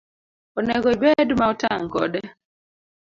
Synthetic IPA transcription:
ɔnɛɡɔibedmaɔtaŋkɔ̰dɛ

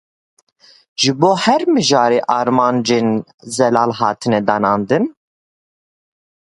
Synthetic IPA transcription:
ʒɨboːhɛɾmɨʒɑːɾeːʔɑːɾmɑːnd͡ʒeːnzɛlɑːlɦɑːt̪ʰɨnɛd̪ɑːnɑːnd̪ɨn

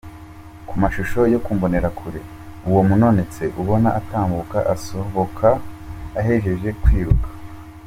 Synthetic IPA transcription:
kumaʃuʃo̞jo̞kuːmbo̞ne̞ɾakʰuɾe̞ | uwo̞muno̞ne̞t͡se̞ʔuβo̞naʔataːmbukaʔaso̞βo̞kʰaː | ɦe̞ʒe̞ʒe̞kwiːɾukḁ

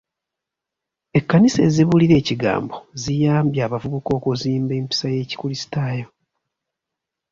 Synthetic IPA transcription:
e̞kːanise̞ːziβuliɾe̞ːciɡa̰ːmbo̞zijaːmbjaːβavuβuko̞ːkuziːmbe̞ːmpi̥saje̞ːci̥kulisi̥taːjo̞

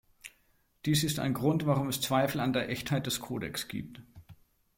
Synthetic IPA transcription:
d̥iːsɪsta̰ɪnɡʁʊntv̥aʁʊmɛst͡sv̥aɪfl̩andeːɐʔɛçthaɪt̚d̥ɛskʰoːdɛ̰ksɡ̥ḭːp̚t

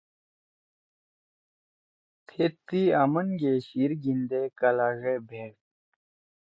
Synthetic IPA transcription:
pʰet̪ːiamənɡeɕiɾɡind̪ekɐlaːɣebʱeːk

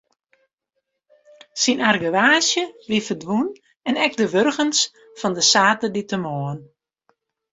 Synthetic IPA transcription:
sinarɡəʋaːsjəʋifərdʋun | ɛnɛk̚dəʋørɣəns | fɔndəsaːtəditəmɔːn

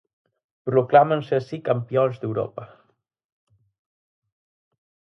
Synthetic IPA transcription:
pɾuklamənsəːsikəmpionzd̪ewɾo̰pə

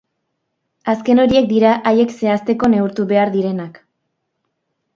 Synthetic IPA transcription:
aske̞no̞ɾie̞k̚d̪iɾaʔaje̞kse̞ast̪e̞ko̞ne̞uɾt̪uβe̞aɾðiɾe̞nak

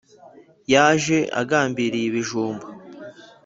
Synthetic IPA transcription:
jaːʒe̞ʔa̰ɡaːmbiɾijiβiʒuːmba

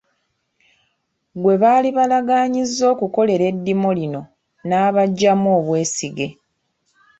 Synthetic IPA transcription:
ɡwe̞βaːliβalaɡaːɲizːo̞ːkuko̞le̞ɾe̞dːimolino̞ | naːβaɟːamoːβwe̞ːsiɡe̞

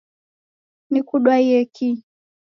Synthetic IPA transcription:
nikuɗwaijɛki

